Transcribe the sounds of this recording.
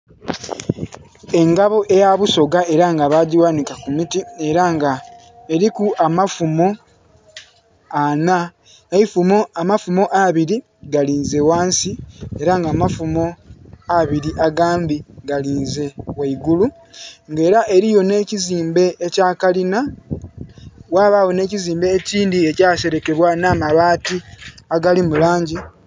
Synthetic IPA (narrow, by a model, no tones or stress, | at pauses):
e̞ŋɡaβo̞ʔe̞jaβuso̞ɡae̞ɾaŋɡaβaːɟiwanikakumitie̞ɾaŋɡa | eɾikuʔamafumo̞ | ana | aifumoamafumo̞ʔaβiɾi | ɡaliːnze̞waːnsieɾaŋɡaːmafumo̞aβiɾiʔaɡaːmbiɡaliːnze̞waiɡulu | ŋɡe̞ːɾaʔe̞ɾijo̞ne̞ːciziːmbe̞ːcaːkalina | waːβawo̞ne̞ːciziːmbe̞ːciːndiecaːse̞ɾe̞ke̞βwanaːmaβaːtiaɡalimulaːɲɟi